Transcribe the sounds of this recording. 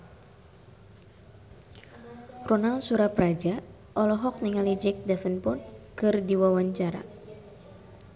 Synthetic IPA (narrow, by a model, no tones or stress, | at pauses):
rɔnalsuɾapɾad͡ʒa | ʔɔlɔɦɔk̚niŋalid͡ʒɛk̚dafənpʊnkɨrdiwawaɲt͡ʃaɾa̰